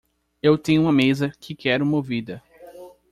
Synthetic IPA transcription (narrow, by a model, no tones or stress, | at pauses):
ewt̪ẽɲʊumɐmezɐkʰɪkɛɾʊmovid̪ɐ